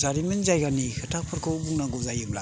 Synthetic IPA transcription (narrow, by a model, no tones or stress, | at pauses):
zaɾimɯnzajɡanihʰɯtʰak̚pʰɯɾkʰɯbuŋnaɡɔzajɯmla̰